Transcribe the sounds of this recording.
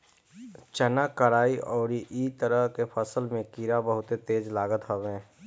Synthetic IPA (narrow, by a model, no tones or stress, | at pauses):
t͡ʃənakəɾaːiʔɔːɾiʔit̪əɾəɦkepʰəsəlmẽkiɾabəɦʊt̪et̪eːd͡ʒlaːɡət̪ɦobẽː